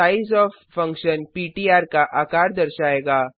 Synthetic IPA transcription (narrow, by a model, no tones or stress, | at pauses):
aizɔːfːə̃ŋkʃənpiːʈiːaːɾkaʔakaːɾd̪əɾʃaːeːɡaː